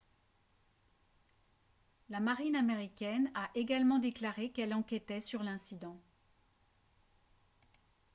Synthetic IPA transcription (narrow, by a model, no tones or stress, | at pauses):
lamaʁinameʁikʲɛnaʔeɡalmɑ̃d̪eklaʁekɛlɑ̃kʲɛt̪ɛsyʁlɛ̃sid̪ɑ̃